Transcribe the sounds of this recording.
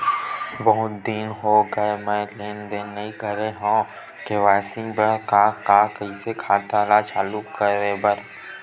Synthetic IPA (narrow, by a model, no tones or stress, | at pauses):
bəɦʊt̪̚d̪iːnɦoɡəemɛ̃leːnd̪eːnːɐɦĩkəɾeɦõː | keʋaːsɪ̃ŋbəɽkakakɐɦisekʰaːt̪alat͡ʃaːlukkːəɾebəɾ